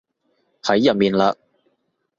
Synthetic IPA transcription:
hɐ˨˥jːɐ˨˩t̚miː˨˩nlaː˧

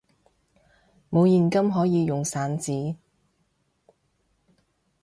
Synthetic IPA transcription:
mo˨˧wjiː˨nkɐ˥mɦɔː˨˥jiː˨˧jʊ˨ŋsaː˨˥nt͡siː˨˥

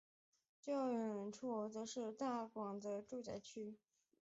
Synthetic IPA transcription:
ʈ͡ʂe˥˧ɑ˥˩ə˨˩ə˨˩nʈ͡ʂʰu˥ɔ˧˥t͡sɤ˧˥ʂɻ̩˥˧t̪a˥˩kwɑ˨˩ŋd̪ə˦ʈ͡ʂu˥˧t͡ɕa˥t͡ɕʰy˥

